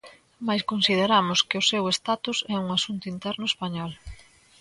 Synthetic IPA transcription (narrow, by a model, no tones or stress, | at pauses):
majskonsiðeɾamʊskɪʊsewest̪at̪usɛuŋasunt̪ʊint̪ɛɾnʊespaɲɔl